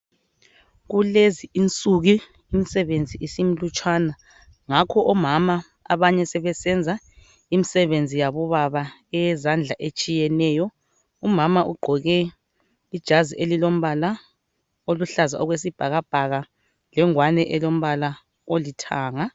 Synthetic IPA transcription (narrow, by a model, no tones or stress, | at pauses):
ɣuleziint͡sʼuɣi | imisɛβend͡zʱiʔisim̩lut͡ʃʼwaːna | ŋakʰɔʔɔmama | a̰βaɲɛsɛβɛsɛnd͡zʱa | imisɛβend͡zʱijaβɔβaβaɛjɛzand͡ɮʱaʔet͡ʃʼijɛnɛːjɔ | umamaʔuɡ͡ǃʱɔɣɛ | id̥ʒ̥ʱaziʔelilom̩βala | oluɬaza̰ɔɣwesib̥ʱaɣab̥ʱaɣa | lɛŋwanɛʔɛlom̩βala | olitʰaːŋa